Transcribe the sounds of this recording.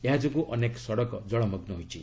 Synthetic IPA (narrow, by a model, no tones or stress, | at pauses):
eɦad͡ʒukuʔɔneksɔɽɔkɔd͡ʒɔɭɔmɔɡnɔɦojt͡ʃʰḭ